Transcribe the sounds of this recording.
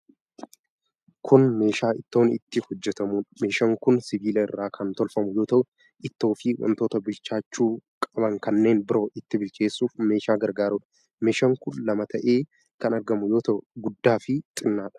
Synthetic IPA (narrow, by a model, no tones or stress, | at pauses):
kʰʊnme̞ːʃaːʔɪt̪ːo̞ːnɪ̰t̪ːɪhɔd͡ʒːɛt̪ɐmuːnme̞ːʃɐŋkʊnsɪbiːlɐɪrːaːkʰɐnt̪ɔlfɐmʊjo̞ːt̪ɐʔʊ | ʔɪt̪ːo̞ːfɪwʔɐ̰nt̪o̞ːt̪ɐbɪlt͡ʃːaːt͡ʃːuːkʼɐbɐŋkɐnːe̞ːnbɪɾo̞ːʔɪt̪ːɪbɪlkʰe̞ːsːuːfme̞ːʃaːɡɐɾɡaːɾʊᶑɐ̥ | me̞ːʃɐŋkʊnlɐmɐt̪ʰɐʔe̞ː | kɐnɐɾɡɐmʊjo̞ːt̪ɐʔʊɡʊd̪ːaːfɪt̪ʼɪnːaːᶑɐ̥